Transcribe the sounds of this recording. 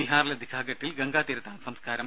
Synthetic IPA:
iɦaːɾilɐd̪ʱikʰaːɡɐʈːilɡɐŋɡaːt̪iɾɐt̪ːaːnsɐmskaːɾɐm

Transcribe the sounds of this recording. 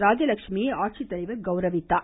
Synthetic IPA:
ɾaːd͡ʒɐlɐkʂmijeaːʈ̚t͡ʃit̪ːɐlɐɪʋɐɡɐwɾɐʋɪt̪ːaː

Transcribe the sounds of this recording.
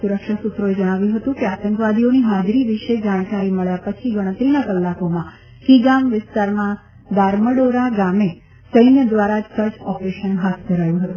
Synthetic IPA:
suɾəkʃasut̪ɾoed͡ʒəɽ̃aʋjũɦət̪ũkeat̪ə̃ŋkʋad̪ʱioniɦad͡ʒɾiʋɪʃed͡ʒaɽ̃kaɾiməɭjapət͡ʃʰiɡəɽ̃ə̃t̪ɾinakəlːakomã | kiɡamʋɪst̪aɾmã | d̪aɾməɖoɾaɡame | səjnjəd̪ʋaɾad͡ʒsəd͡ʒɔpɾeʃənɦat̪̚ʰd̪ʱəɾajũɦət̪ũ

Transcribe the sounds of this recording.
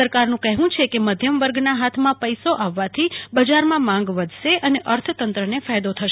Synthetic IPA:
əɾkaɾnũkəɦʋũt͡ʃʰekeməd̪ʱjəmʋəɾɡnaɦat̪ʰmãpəjsoʔaʋːat̪ʰibəd͡ʒaɾmãmãŋɡʋəd̪ʱʃeʔəneʔəɾt̪ʰət̪ənt̪ɾənefajd̪ot̪ʰəʃ

